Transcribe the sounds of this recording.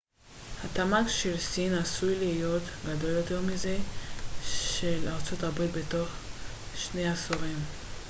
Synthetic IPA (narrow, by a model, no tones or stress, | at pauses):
hatamaɡʃelsinasujlihijo̞tɡado̞ljo̞teʁmize̞ | ʃelaʁt͡so̞tabʁitbeto̞χ | ʃne̞jasoʁim